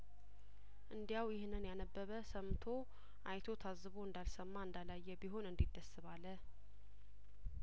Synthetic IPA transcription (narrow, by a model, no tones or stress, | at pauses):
ʔɨnd̪ijawjɪhnːɨnjanəbːəβəsəmt̪ʰo̞ | ʔajt̪ʰo̞t̪ʰazːβoɨnd̪alsəmːaɨnd̪alajːɛbiɦo̞nɨnd̪id̪ːəsɨβalːə